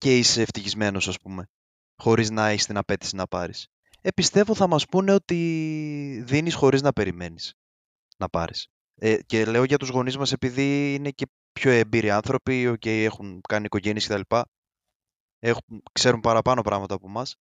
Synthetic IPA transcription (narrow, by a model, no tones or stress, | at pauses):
ce̞iseːft̪içizme̞no̞sɐspume̞ | xo̞ɾiznɐeçist̪inɐpe̞t̪isinɐpɐɾis | e̞pist̪e̞vo̞θɐmɐspune̞o̞t̪i | ðinisxo̞ɾiznɐpe̞ɾime̞nis | nɐpɐ̰ɾis | ece̞le̞o̞ʝɐt̪uzɣo̞nizmɐse̞piðiine̞ce̞ | pço̞e̞mbiɾiɐnθɾo̞pio̞ce̞je̞xuŋkɐniko̞ʝe̞niesce̞t̪ɐlipɐ | e̞xukse̞ɾumpɐɾɐpɐno̞pɾɐɣmɐt̪ɐːpomɐs